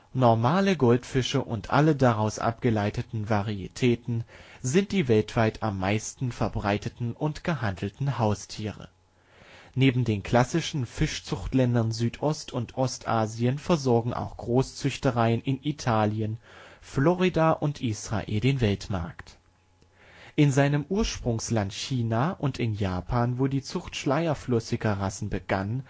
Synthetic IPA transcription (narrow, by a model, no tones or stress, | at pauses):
nɔɐmaːləɡɔltfɪʃəʔʊntʔa̰lədaʁaʊsʔa̰pɡ̥əlaɪtətn̩vaʁiḭtʰɛːtn̩zɪnt̚d̥iːvɛltv̥aɪtʰamːaɪstn̩fɛɐbʁaɪtətn̩ʔʊntɡ̥əhandl̩tn̩haʊstʰiːʁə̰ | neːbm̩deːnkʰl̥asɪʃn̩fɪʃt͡sʊχtlɛndɐnzyːtʰʔɔstʊntʔɔstʔaːziənfɛɐzɔɐɡŋ̩ʔa̰ʊxɡ̥ʁoːst͡sʏçtəʁaɪənʔɪnitʰaːljənflɔʁidaʔʊntʔiːsʁ̥a̰ʔḛːldeːnvɛltma̰ɐkt | ʔɪnzaɪnəmʔuːɐʃpʁ̥ʊŋslantçiːnaːʔʊntɪnjaːpʰaːnvoːdiːt͡sʊχtʃlaɪɐflʏsɪɡɐʁasn̩bəɡ̥a̰n